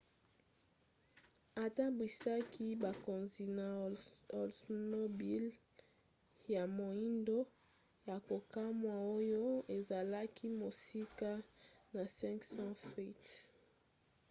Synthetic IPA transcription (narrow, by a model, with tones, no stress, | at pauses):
a˨ta˦bwi˨sa˦ki˦ba˨ko˨nzi˨na˨o˨lsno˦bi˦l | ja˨mo˨i˦ndo˦ | ja˨ko˨ka˦mwa˨o˦jo˦e˨za˨la˦kʰi˦mo˨si˦ka˦na˨sɛ̃˦ŋksɑ̃˦fi˦˨t